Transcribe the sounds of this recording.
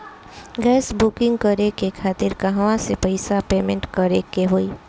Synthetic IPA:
ɡɛːsbukɪ̃ŋɡ̚kəɾekekʰaːt̪ɪɾkɐɦaʋãsepɐɪsapeːmẽɳʈkəɾekeɦoːiː

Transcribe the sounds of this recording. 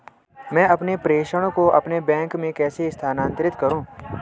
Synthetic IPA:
mɛ̃ːɐpnepɾeːʃəɽ̃koʔɐpnebɛ̃ːŋkmẽkɛːsest̪ʰaːnãːnt̪ɾɪt̪kɐɾũː

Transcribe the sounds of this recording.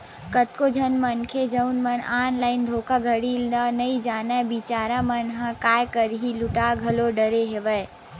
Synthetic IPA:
kət̪̚kod͡ʒʱənmənkʰed͡ʒəʊnmənaːnlaːɪnd̪ʱoːkaɡʱəɽiːlnənəid͡ʒaːnabit͡ʃaːɾamənɦə̃kaːjkəɾɦilʊʈaɡʱəloɖəɾeɦeʋə

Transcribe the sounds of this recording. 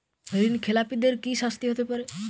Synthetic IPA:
ɦəɾinkʰelapid̪eɾkiʃast̪iɦot̪epɔɾe

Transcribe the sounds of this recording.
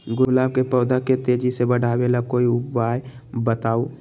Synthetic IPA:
ɡʊlaːb̚kepɔːd̪ʱaket̪eːd͡ʒisebəɽ̤ʱaːʋeːlakoːiʊbaːjbət̪aːoː

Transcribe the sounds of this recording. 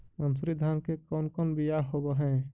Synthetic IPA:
mənsuɾid̪ʱaːɾmkekɔːnkɔːnbijaɦobəɦɛ̃ː

